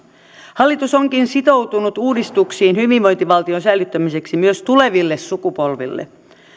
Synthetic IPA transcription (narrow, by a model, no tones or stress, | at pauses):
hɑlːit̪usoŋkinsit̪o̞wt̪unut̪uːdist̪uksiːnhyʋiʋʋo̞jnt̪iʋɑlt̪ionsælyt̪ːæmise̞ksimyøst̪ule̞ʋilːesːukupolʋḭlːḛ